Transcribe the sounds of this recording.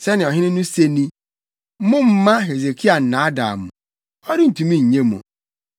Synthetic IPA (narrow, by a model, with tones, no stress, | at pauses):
se˦nɪ˨ɔ˨ɦɪ˦nɪ˦nu˦se˦ni˦ | mʊ˦m̩˦ma˦ɦe˨ze˨ki˦a˨n̩˨na˨a˦da̰˨mʊ̰˨ | ɔ˦ɾɪ˦n̩˨tu˨mi˦ɲ̩˨ɲe˦mo̰˨